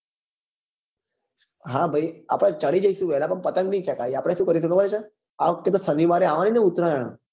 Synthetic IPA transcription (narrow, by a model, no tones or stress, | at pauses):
ɦabʱəia̰pɽ̃at͡ʃəɽid͡ʒəiʃũʋɛlapəɳpət̪əŋɡnəit͡ʃʰekaiapɽ̃eʃũkəɾiʃ̬əkəʋanet͡ʃʰe | akːet̪osəniʋaɾeaʋanineut̪ɾaeɽ̃a̰